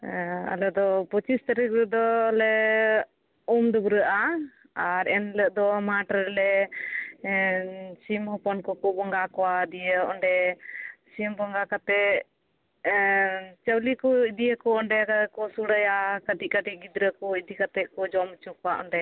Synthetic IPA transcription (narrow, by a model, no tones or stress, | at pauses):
a̰lɛd̪ɔpɔt͡ʃist̪əɾəklɛd̪ɔlɛ | umd̪ɔbuɾəʔa | aɾɛnləʔd̪ɔmaʈaɾɛlɛ | simhɔpɔnkɔkɔbɔŋɡakɔwad̪ijəʔɔɳɖɛ | simbɔŋɡakat̪ɛ | t͡ʃəwlikɔid̪iəkɔɔɳɖɛkakɔsuɽəjakəʈiʔkəʈiɡid̪ɾəkɔid̪ikat̪ɛkɔd͡ʒɔmt͡ʃukɔwaʔɔ̰ɳɖɛ